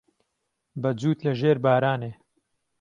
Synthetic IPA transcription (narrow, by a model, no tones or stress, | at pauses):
bɐd͡zuːt̪lɐʒeːɾbaːɾaːneː